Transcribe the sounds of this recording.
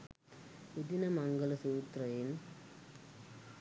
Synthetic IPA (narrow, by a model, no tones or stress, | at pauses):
ʊd̪ɪnɐmɐŋɡɐlsuːt̪rɐjɪn